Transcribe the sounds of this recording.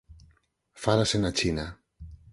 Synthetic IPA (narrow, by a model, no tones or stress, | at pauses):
faɾasenat͡ʃina